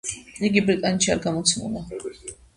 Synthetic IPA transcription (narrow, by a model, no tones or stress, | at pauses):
iɡibɾit̪ʼanɛt̪ʃʰiaɾɡamɔt̪sʰmṵna